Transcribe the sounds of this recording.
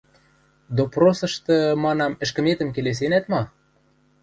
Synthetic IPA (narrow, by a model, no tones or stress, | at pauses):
d̪oprosɤ̆ʃt̪ɤ̆mɑnɑmɘ̆ʃkə̆met̪ə̆mkeles̬enæt̪mɑ